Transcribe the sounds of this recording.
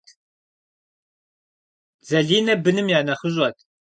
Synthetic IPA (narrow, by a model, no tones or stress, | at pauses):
zɐɮiːnɐbɨnɨmjaːnɐχəʒʼɐt̪ʰ